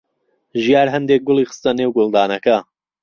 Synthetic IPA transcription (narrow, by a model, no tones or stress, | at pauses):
ʒijaːɾɦɐnd̪ek̚ɡʊlˠiːxɨ̥st̪ɐneːwɡʊlˠd̪aːnɐkɐ